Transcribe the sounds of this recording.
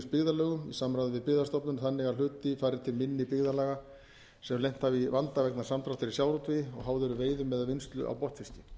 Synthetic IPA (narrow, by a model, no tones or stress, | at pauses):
spɪɣðalœːɣʏmḭsamɾajðɪvɪpɪɣðast̪ɔpnʏnθanːɪɣaɾl̥ʏːt̪ɪfaːɾɪɾ̥t̪ʰɪlmɪnːɪpɪɣðalaːɣa | sɛmlejm̥t̪havivant̪avɛknaɾ̥samt̪ɾaft̪ɪɾɪi̥sjaːwɾɔt̪ʰvɪjɪɔɣɦawðʏɾʏveːjðʏmɛðavɪnst̪lʏ̰ʔa̰wpɔht̪fɪsc̪ɪ